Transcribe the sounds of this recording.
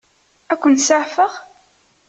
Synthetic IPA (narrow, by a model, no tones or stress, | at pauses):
ækʷːənt̪səʕfəʁ